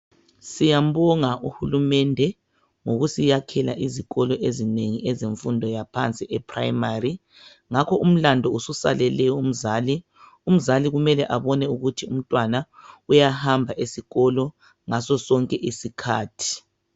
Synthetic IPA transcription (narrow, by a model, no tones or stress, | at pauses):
sijam̩βɔŋaʔuhulumɛndʱɛ | ŋoɣusijakʰɛla̰ʔiziɣɔlɔʔezineŋiʔɛzeɱfundʱɔjapʰant͡sʼiʔɛpʰra̰jmari | ŋakʰɔʔum̩landʱɔususa̰lɛlɛjɔum̩zaːli | um̩zaliɣumɛlɛʔaβɔnɛuɣutʰium̩tʼwanaujahambʱaʔesiɣɔlɔ | ŋasɔsɔŋkʼɛʔisikʰa̰ːtʰi̥